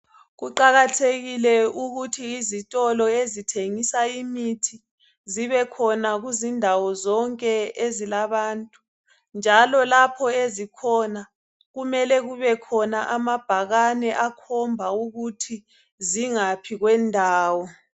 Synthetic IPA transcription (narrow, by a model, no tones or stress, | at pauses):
ɣuǃaɣatʰeɣilɛuɣutʰiːzitʼɔlɔezitʰeŋisaimitʰi | ziβɛkʰɔnaɣuzindʱawɔzɔŋkʼɛezilaβaːntʼu̥ | nd͡ʒʱalɔlapʰɔezikʰɔna | ɣumɛlɛɣuβɛkʰɔnaʔamab̥ʱaɣanɛʔakʰɔmbʱauɣutʰi | ziŋapʰiɣwɛndʱaːwɔ